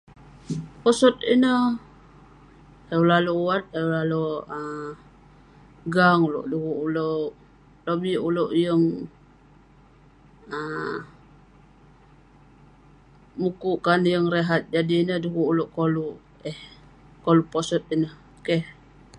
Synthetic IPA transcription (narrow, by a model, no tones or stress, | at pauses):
pɔsɔt̪̚inəh | eulaluuwat̪̚eulaluə | ɡaŋulo̰ʔduɣuʔuloʔ | lobiʔulowʔjəŋ | ə | mukuʔkanjəŋreɦat̪̚d͡ʒadiːnəhduɣuʔuloʔkolu | ɛh | kolupɔsɔt̪̚inəh | keh